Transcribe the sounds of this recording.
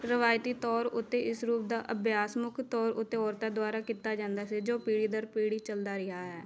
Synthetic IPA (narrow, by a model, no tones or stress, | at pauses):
ɾəʋaːjt̪iːt̪ɔːɾʊt̪ːeːʔɪsɾuːp̚d̪aːʔəbjaːsmʊkʰt̪ɔːɾʊ̰t̪ːeːɔːɾt̪aːd̪ʊaːɾaːkiːt̪ːaːd͡ʒãːnd̪aːseːd͡ʒoːpiːɽiːd̪əɾpiːɽiːt͡ʃəld̪aːɾɪɦaːɦɛː